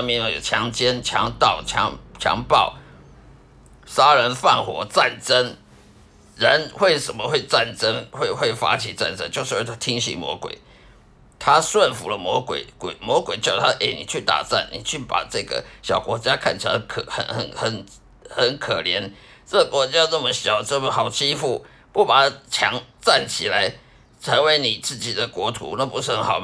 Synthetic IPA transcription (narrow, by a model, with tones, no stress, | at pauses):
ə˥mi˧˥˦o˧˩jo̰˨˩t͡ɕʰjɑ˧˥ŋt͡ɕjɛ˥nt͡ɕʰjɑ̰˧˥ŋt̪ɑ˥˩ʊt͡ɕʰjɑ̰˧˥ŋt͡ɕʰjɑ̰˧˥ŋpɑ˥˩ʊ | sa˥ɻə˧˥nfa˥˩nxwɔ˧˥t͡sa˥˨˩nʈ͡ʂə˦˥n | ɻə˧˦nxwe˥˩ɪʂə˨˩nmə˦xwe˥˧ɪt͡sa˥˩nʈ͡ʂə˦˥ŋxwe˥˧ɪxwe˥˩ɪfa̰˥t͡ɕʰi˨˦t͡sa̰˥˨˩nʈ͡ʂə̰˦nt͡ɕjo˥˧ʊʂɻ̩˥˧we˥˩t̪ʰa˥t̪ʰi˥ŋɕḭ˧˨ŋmwɔ̰˧˥kwḛ˨˩˦ɪ | t̪ʰa˦swə˥˨nfu˨˦lə˦mwɔ˧˥kwḛ˨˩˦ɪkwe˨˩ɪmwɔ˧˦˥kwe˨˩ɪt͡ɕjɑ˥˧˩ʊ˨˩t̪ʰa˥˧ʔe˥˩ɪni˨˩t͡ɕʰy˥˩t̪a̰˨˩t͡sa̰˥˩nnḭ˨˩t͡ɕʰy˥˩pa̰˨˩ʈ͡ʂɤ˥˧ɡə̰˨˩ɕjɑ˨˩ʊkwɔ˧˥t͡ɕja˦kʰa˥˩nt͡ɕʰi˨˩la̰˧˥kʰə̰˨˩xə̰˨˩nxə̰˨˩˦nxə˨˩n | hə˨˦nkʰə˨˩ljɛ˧˦˥n | t͡sə˥˩ɡə˨˩kwɔ˧˥t͡ɕja˥nə˥˩mə˨ɕjɑ˨˩ʊʈ͡ʂə˥˩mə˩xɑ˨˩ʊt͡ɕi˥fu˥˩ | pu˥˩pa˨˩t͡ɕʰjɑ˧˥ŋt͡sa˥˩nt͡ɕʰi˨˩la˧˦ɪ | t͡sʰə˧˥ŋwe˧˥ɪni˨˩t͡sɹ̩˥˩t͡ɕi˨˩d̪ə˦kwɔ˧˥t̪ʰṵ˧˥na˥˩pu˧˦ʂɻ̩˥˩xə˧˦nxɑ˨ʊ